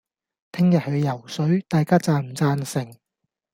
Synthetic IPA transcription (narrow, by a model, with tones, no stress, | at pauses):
t̪ʰɪ˥ŋjɐ˨t̚hɵ˨˧ɥjɐ˨˩wsɵ˨˥ɥt̪aː˨jkaː˥t͡saː˧m̩˨˩t͡saː˧nsɪ˨˩ŋ